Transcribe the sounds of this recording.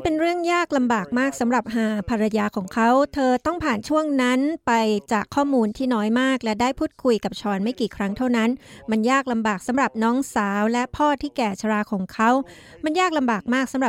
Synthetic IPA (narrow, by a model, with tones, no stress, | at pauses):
pe˧nɾɯ˥˩əŋjaː˥˩k̚la˧mbaː˨˩k̚maː˥˩k̚sa˩˦mɾa˨˩p̚ɦaː˨˧˩pʰa˧ɾa˧jaː˧kʰɔː˩˦ŋkʰa˦˥wt̪ʰɤː˧t̪ɔ˥˩ŋpʰaː˨˩nt͡ɕʰu˥˩əŋna˦˥npa˧jt͡ɕaː˨˩kʰːɔː˥˩muː˧nt̪ʰiː˥˩nɔː˦˥jmaː˥˩k̚lɛ˦˥daː˥˩jpʰuː˥˩t̪̚kʰu˧jka˨˩p̚t͡ɕʰɔː˧nma˥˩jkiː˨˩kʰɾa˦˥ŋt̪ʰa˥˩wna˦˥nma˧njaː˥˩k̚la˧mbaː˨˩k̚sa˩˦mɾa˨˩p̚nɔː˦˥ŋsaː˩˦wlɛ˦˥pʰɔː˥˩t̪ʰiː˥˩kɛː˨˩t͡ɕʰa˧ɾaː˧kʰɔː˨˩˦ŋkʰa˦˥w | ma˧njaː˥˩k̚la˧mbaː˨˩k̚maː˥˩k̚sa˩˦mɾa˨˩